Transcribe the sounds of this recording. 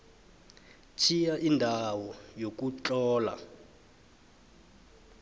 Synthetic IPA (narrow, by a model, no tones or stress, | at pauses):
t͡ʃʰijaʔindʱawɔjok̬ut͡ɬɔːla̰